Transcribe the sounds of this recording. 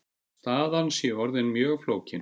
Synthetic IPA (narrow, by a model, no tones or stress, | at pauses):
st̪aːðansjɛɔɾðɪnmjœːɣfloːwcɪn